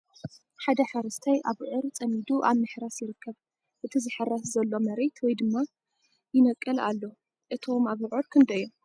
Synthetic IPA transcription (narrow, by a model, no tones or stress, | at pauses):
ħad̪ɐħaɾɐst̪ʰajʔaβʕʊɾt͡sʼɐmid̪uʔa̰βmɨħɾasjɪɾɨkːɐβ | ʔɨt̪ʰizɨħɨɾaszɐlːo̞mɐɾet̪wɔjd̪ɨmːa | jɪnɐkʼːɨla̰lːo | ʔɨt̪ʰo̞maβʕuɾkʰɨnd̪ɐjo